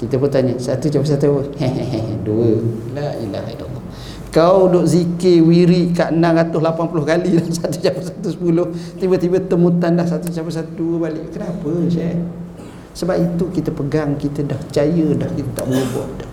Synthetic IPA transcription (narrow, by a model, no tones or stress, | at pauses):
kit̪əpərt̪aɲəsat̪ut͡ʃapəs̬at̪uəhɛ̃ɦɛɦɛ̃duəlaḭla̰ha̰dɔ̰lːɔ | kawdoʔzikewiɾiʔkaʔənãŋɾat̪ʊslapanpulʊhkalidahsat̪usapəsat̪usə̥pulʊht̪ibət̪ibət̪əmut̪andahsat̪ut͡ʃapəsat̪uduəbalɪʔkənapəʃɛʔ | səbapit̪ukit̪əpəɡaŋkit̪ədaht͡ʃajədahkit̪ət̪a̰ʔbəlubɔ̰ʔda